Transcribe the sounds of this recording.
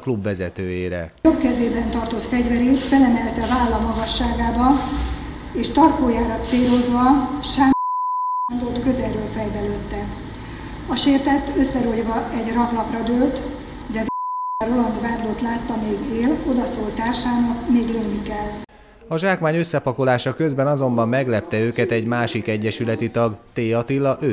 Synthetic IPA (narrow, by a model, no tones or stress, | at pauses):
klubʋɛzɛt̪øːjeːɾɛ̰ | okkːɛzeːbɛnt̪ɒrt̪o̞t̪fɛɟvɛɾit̪fɛlɛmɛlt̪ɛvaːlːɒmɒɡɒʃːaːɡaːbɒ | eːʃt̪ɒrkoːjaːɾɒseːɾozʋɒʃaː | nd̪ot̪køzɛlːøːlfɛjbɛløt̪ːɛ | ɒʃeːrt̪ɛt̪ːøsːɛɾoɟvɒʔɛɟrɒklɒprɒd̪ølt̪ | d̪ɛvɛrolɒnd̪vaːd̪loːt̪laːt̪ːɒmeːɡeːlo̞d̪ɒsoːlt̪aːrʃaːnɒk̪meːɡlønːikɛlː | ɒʒaːkmaːɲø̞sːɛpɒkolaːʃɒkø̞zbɛnɒzo̞mbɒmːɛɡlɛp̚t̪ɛøːkɛt̪ɛɟmaːʃikɛɟːɛʃylɛt̪it̪ɒɡt̪eːjɒt̪ilːɒʔøː